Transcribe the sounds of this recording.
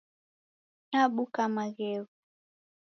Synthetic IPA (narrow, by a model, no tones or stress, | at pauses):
ɲaɓukamaɣɛɣu